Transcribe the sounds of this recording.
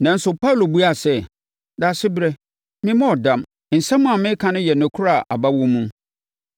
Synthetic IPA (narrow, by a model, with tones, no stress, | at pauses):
nã˨n̩˦sʊ˨pa˦˨lo˨bu˦a˨sɛ˦ | da˨sɪ˦bɾɛ˦ | mɪ̃˦mɔ̃˦ɔ˨dã˨m | n̩˨sɛ̃˦mũ˦a˨mɪ̃˦kʰã˨nʊ̃˦jɛ˨nʊ̃˨kʰʊ˦ɾa˨ʔa˨ba˦wɔ̃˦mũ˦